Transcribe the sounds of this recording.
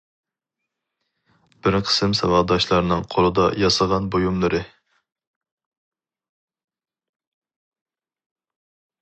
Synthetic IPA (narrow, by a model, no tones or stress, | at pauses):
b̥ɪɾqʰə̥sɨmsɑwɑd̪ɑʃlˠɑɾnɨŋqʰolˠɨd̪ɑjɑsəʁɑnbojumlˠɨɾɨ